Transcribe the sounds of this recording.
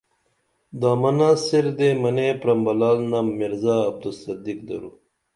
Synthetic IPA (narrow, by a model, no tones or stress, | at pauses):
d̪aːmɐnasiɾd̪emɐnepɾɐmbɐlaːlnamiɾzaːb̚d̪usɐd̪ik̚d̪ɐ̰ɾṵ